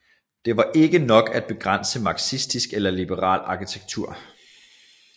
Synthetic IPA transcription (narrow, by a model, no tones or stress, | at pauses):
d̥e̝ʋɑ̈ʔe̝ɡ̥ənɒ̽ɡ̥æd̥̚b̥e̝ɡ̥ʁan̰səmɑ̈ːɡ̥sisd̥isɡ̥elɐlib̥əʁɑ̰̈ːlɑ̈kʰit͡sʰeɡ̥̚t͡sʰuɐ̰